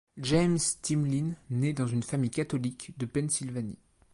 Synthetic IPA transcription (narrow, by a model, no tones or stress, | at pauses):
ʒɛmst̪imlinːed̪ɑ̃zynfamijkat̪ɔlikd̪əpɛnsilvanḭ